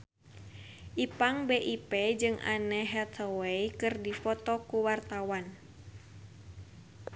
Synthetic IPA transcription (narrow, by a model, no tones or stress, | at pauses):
ʔipaŋbeʔiped͡ʒɨŋʔa̰nɛɦɛt̪ɔwejkɨrdifɔt̪ɔkuwart̪awan